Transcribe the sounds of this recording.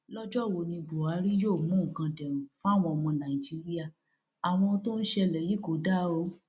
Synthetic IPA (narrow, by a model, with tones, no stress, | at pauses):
lɔ˦d͡ʒɔ˦˨wo˨nĩ˧bu˨a˨˦ɾi˦joː˦˨mũ˨˦˨kã˧dɛ˨ɾ̃ũ˨˦fũ˦a˦˨w̃ɔ̃˧ɔ˧˨mɔ̃˧nã˨i˨d͡ʒi˨˦ɾi˦a˦˨ | a˨w̃ɔ̃˧to˦n̩˦ʃɛ˧lɛ˨ji˨˦ko˨˦da˦o˦